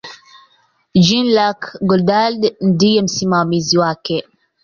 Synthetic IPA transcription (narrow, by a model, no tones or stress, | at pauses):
d͡ʒinlakɡɔldaldndijɛm̩simamiziwakɛ